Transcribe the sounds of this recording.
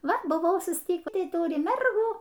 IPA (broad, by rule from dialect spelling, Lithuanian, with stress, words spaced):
ˈʋɐ bʊˈʋɐʊ sʊsʲˈtʲiːkʲiː ˈtɐɪ ˈtʊrʲɪ ˈmʲɛrɡuː